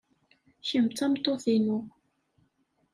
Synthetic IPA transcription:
çəmt͡sːæmt̪ˤːoθinʊ

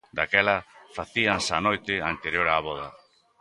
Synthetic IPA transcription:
d̪akɛlɐfaθiansanojt̪ɪant̪eɾjoɾaːβɔðɐ

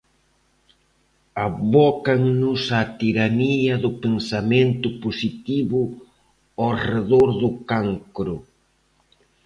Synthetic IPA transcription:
aβɔkɐŋnʊsat̪iɾaniɐðʊpensamẽnt̪ʊposit̪iβʊ | awreðoɾðʊkaŋkɾʊ

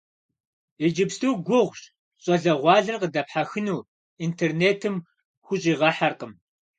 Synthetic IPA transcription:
ed͡ʒɪpstʰɨwɡʷʊʁʷɕʼ | ɕʼɐɮɐʁʷɑːɮɐrqədɐpħaxɨnuː | intʰerneːtʰɨm | xʷʊɕʼiːʁɐħarqəm

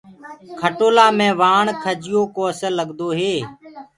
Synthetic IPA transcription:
kʰəʈoːlaːmẽːʋaːɳkʰəd͡ʒɪjoːkoːəsəlːəɠd̪oːɦeː

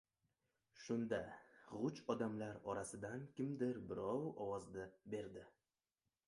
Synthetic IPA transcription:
ʃʊnd̪aʁʊt͡ʃɒd̪amlaɾɒɾasɪd̪ankʲɪmd̪ɪɾbɪɾɒwɒwɒzd̪abe̞ɾd̪ɪ

